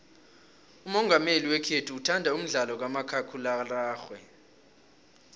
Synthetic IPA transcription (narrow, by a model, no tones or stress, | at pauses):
umɔŋɡʱameliwɛkʰetʰuːtʰandʱaum̩ɮalɔk̬wamakʰakʰulalaːxwɛ